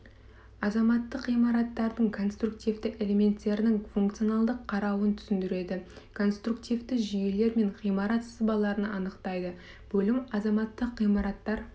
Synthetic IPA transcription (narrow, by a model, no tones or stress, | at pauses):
ɑzɑmɑt̪ːəqʁijmɑɾɑt̪ːɑɾd̪əɴkʰo̞nst̪ruk̚t̪ijvd̪ɪʔe̞le̞me̞nt̪ːe̞ɾɪnɪŋfuŋkt̪sɨio̞nɑlˠd̪əqʰːɑɾɑwənt̪ʰʏ̥sɪnd̪ɪɾe̞d̪ɪ | kʰo̞nst̪ɾukt̪ijvd̪ɪʒije̞le̞ɾme̞ɴʁijmɑɾɑt̪səzbɑlˠɑɾənɑnəqt̪ɑjd̪ə | b̥ɵlɪmɑzɑmɑt̪ːəqʁijmɑɾɑt̪ːɑɾ